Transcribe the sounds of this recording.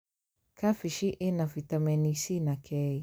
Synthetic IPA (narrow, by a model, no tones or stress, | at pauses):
kʰafiʃiʔɛnafitamɛnisinakʰɛi